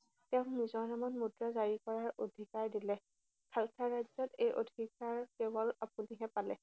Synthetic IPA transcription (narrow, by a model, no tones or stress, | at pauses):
tɛʊ̃nizɔnamanmudɹazaɹikɔɹaɹodʱikaɹdilɛ | kʰalkʰaɹazɔtejʔo̰dʱikaɹkebɔlapuniɦɛpalɛ̰